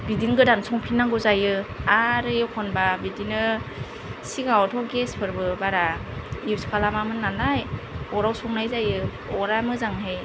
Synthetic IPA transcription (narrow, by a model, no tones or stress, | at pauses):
bidinɡɯdansɔŋpʰinːaŋɡɯzajɯaɾɯjɯkʰɔnbabidinɯ | siɡawɔtʰɔɡespʰɯɾbɯbaɾaiwskʰalamamɯnːalajɔɾawsɔŋnajzajɯ | ɔɾamɯzaŋɦej